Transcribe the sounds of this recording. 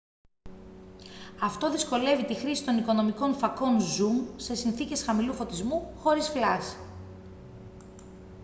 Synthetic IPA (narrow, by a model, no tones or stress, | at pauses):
ɐft̪o̞ðisko̞le̞vit̪ixɾisi̥t̪o̞niko̞no̞miko̞nfɐko̞nzumse̞sinθice̞sxɐmilufo̞t̪izmuxo̞ɾisflɐsi̥